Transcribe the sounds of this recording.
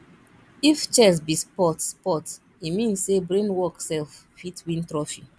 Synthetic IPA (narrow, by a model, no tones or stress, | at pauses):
ift͡ʃɛs̬bispɔtspɔt | imĩnsːebɹẽnwɔksɛlf | fitwĩntɾɔfi